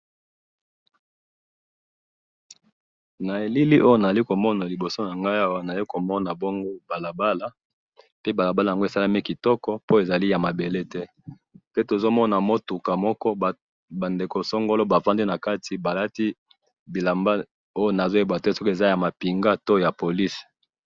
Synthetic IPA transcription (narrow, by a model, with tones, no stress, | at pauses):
na˨e˨li˦li˦ʔo˦jo˦na˨za˨li˦ko˨mɔ˦na˨li˨bo˨so˦na˨ŋɡa˦ja˦wa˨na˨a˨li˦ko˨mɔ˦na˨bo˦ŋɡo˦ba˨la˨ba˦la˦ | pe˦ba˨la˨ba˦la˨ja˨ŋɡo˦e˨sa˦la˦mi˦ki˨tɔ˦kɔ˦po˦e˨za˨li˦ja˨ma˨be˨le˦tɛ˦ | pe˦to˨zo˦mɔ˦na˨mo˦tu˨ka˨mɔ˦kɔ˦˨ | ba˨nde˨ko˨sɔ˦ŋɡo˦lo˦ba˨va˦ndi˦na˨ka˦ti˨ba˨la˦ti˦ | bi˨la˨mba˦ | o˦jo˦na˨zo˦e˦ba˨te˦sɔ˦ke˨za˦ja˨ma˨pi˨ŋɡa˦to˦ja˨po˨li˦s